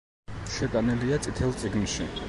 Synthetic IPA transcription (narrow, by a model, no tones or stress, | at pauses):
ʃɛt̪ʼaniliat̪sʼit̪ʰɛlˠt̪sʼiɡnʃi